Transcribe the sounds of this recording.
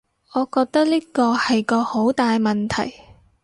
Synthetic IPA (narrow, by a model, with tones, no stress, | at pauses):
ŋɔː˨˧kɔː˧k̚t̪ɐ˥k̚liː˥kɔː˧hɐ˨jkɔː˧ho˨˥wt̪aː˨jmɐ˨nt̪ʰɐ̰˨˩j